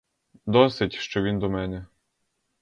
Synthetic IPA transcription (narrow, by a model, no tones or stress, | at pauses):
d̪ɔsɪtʲʃt͡ʃɔʋʲind̪ɔmɛnɛ